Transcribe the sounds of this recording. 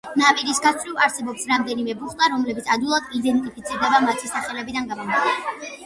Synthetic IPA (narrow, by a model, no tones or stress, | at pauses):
napʼiɾisɡat̪sʰvlivaɾsɛbɔpsɾamd̪ɛnimɛbuχt̪ʼaɾɔmlɛbit̪sʰad̪ulˠad̪id̪ɛnt̪ʼipʰit̪sʰiɾd̪ɛbamat̪ʰisaχɛlɛbid̪anɡamɔmat̪ɛ